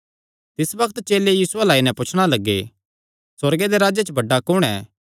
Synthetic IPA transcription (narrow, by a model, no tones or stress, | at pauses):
t̪ɪsbɐkt̪t͡ʃeːlejiːsʊalaːinɛ̃pʊt͡ʃʰɽ̃alɐɡːḛ | sɐɾɡed̪eɾaːd͡ʒet͡ʃbɐɖakʊɽ̃ɛ̰ː